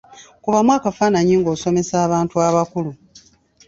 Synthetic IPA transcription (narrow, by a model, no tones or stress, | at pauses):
kuβamwaːkafaːnaɲiːŋɡo̞ːso̞me̞saːβaːntuaβakulu